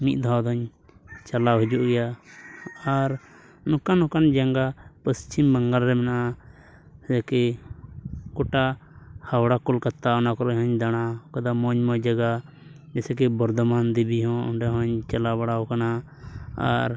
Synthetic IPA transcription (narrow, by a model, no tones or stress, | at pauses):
mit̪̚d̪ʱawd̪ɔɲ | t͡ʃalaɦɔd͡ʒuʔɡɛja | aɾ | nɔkanɔ̃kand͡ʒaŋɡapəst͡ʃimbəŋɡalɾɛmɛnaʔa | sɛkɛ | kɔʈa | hawɽakɔlkat̪ːaɔnakɔɾɔɲɦɔ̃ɲd̪aɽ̃akad̪amɔɲmɔd͡ʒaɡa | d͡ʒɛsɛkɛbɔɾd̪ɔmand̪ibiɦɔ̃ɔ̰ɳɖɛɦɔ̃ɲt͡ʃalabaɽaɔkana | a̰ɾ